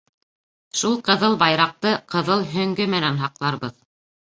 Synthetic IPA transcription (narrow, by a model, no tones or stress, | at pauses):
ʃulˠqɤ̆ðɤlˠbɑjɾɑq̚t̪ɤqɤ̆ðɤlˠɦɵ̆ŋɡɘmɘ̆nænɦɑqlˠɑɾbɤð